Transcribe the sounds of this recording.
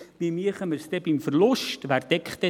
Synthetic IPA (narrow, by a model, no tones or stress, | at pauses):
bimiəχəmərstɛpimfərlɔstværdɛkχtə